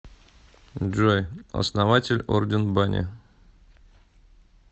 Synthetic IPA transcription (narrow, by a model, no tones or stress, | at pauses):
ʐojɐ̰snɐvatʲɪlʲo̰rdʲɪnbanʲɪ̰